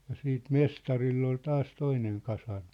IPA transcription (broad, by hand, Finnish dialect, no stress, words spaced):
jɑ siːt mestɑrilː ol tɑːs toineŋ kɑsɑrmi̥